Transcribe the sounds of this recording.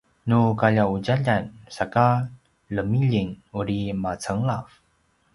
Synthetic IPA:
nukaʎaud͡ʑaʎansaka | ləmiʎinuɾimat͡səŋlaf

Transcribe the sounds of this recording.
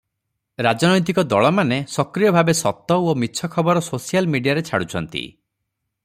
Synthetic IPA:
ɾad͡ʒɔnɔjt̪̬ikɔd̪ɔɭɔmanesɔkɾijɔbʱabesɔt̪ɔomitːt͡ʃʰɔkʰɔbɔɾɔsosijalmiɖijaɾet͡ʃʰaɽut͡ʃʰɔnt̪ḭ

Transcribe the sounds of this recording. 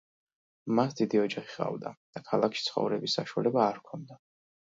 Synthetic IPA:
masd̪id̪iɔd͡ʒaχiχʼa̰vd̪a̰d̪̥akʰalˠakʰʃi̥t̪sʰχɔ̰vɾɛbisːaʃua̰lɛbaːɾkʰɔnd̪a

